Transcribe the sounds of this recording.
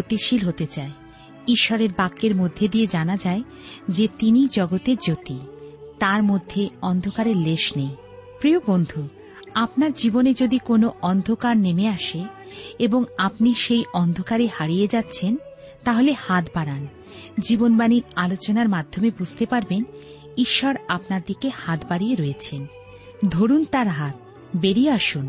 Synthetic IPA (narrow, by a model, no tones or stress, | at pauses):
ot̪iʃilɦot̪et͡ɕae | iʃːɔɾeɾbakːeɾmod̪ʱːed̪ied͡ʑanad͡ʑae | d͡ʑet̪inid͡ʑɔɡot̪eɾd͡ʑot̪it̪aɾmod̪ʱːeɔnd̪ʱokaɾeɾleʃnej | pɾiobond̪ʱu | apnaɾd͡ʑiboned͡ʑod̪ikonoʔɔnd̪ʱokaɾnemeaʃe | eboŋapniʃejɔnd̪ʱokaɾehaɾijed͡ʑatːɕʰen | t̪aɦolehat̪baɾan | d͡ʑibonbaniɾalot͡ɕonaɾmad̪ʱːomebud͡ʑʱt̪epaɾben | iʃːɔɾap̚naɾd̪ikehat̪baɾijeɾɔjet͡ɕʰen | d̪ʱoɾunt̪aɾɦat̪̚ | beɾiaʃun